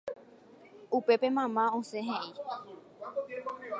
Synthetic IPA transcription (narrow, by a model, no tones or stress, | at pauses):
upe̞pemãmãõseɦẽʔi